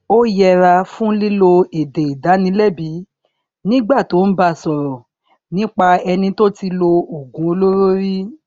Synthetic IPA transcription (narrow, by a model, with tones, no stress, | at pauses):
o˦jɛ˧ɾa˧fũ˦li˦lo˧e˨de˨i˨da˨˦nĩ˧˦lɛ˦˨bi˨˦ | nĩ˦ɡ͡ba˦˨to˨˦n̩˦ba˦˨sɔ˨ɾɔ˨ | nĩ˨˦k͡pa˧ɛ˧nĩ˧to˦ti˧lo˧o˨ɡũ˨˦o˧lo˦ɾo˦ɾi˦